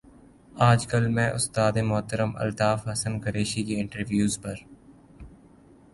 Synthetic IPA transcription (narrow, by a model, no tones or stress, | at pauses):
aːd͡ʒkɐlmɛ̃ːʔʊst̪aːd̪emʊɦt̪əɾəmɐ̰lt̪aːfɦɐsənkɐɾeːʃikeɪ̃ɳʈəɾʋjuːzpɐɾ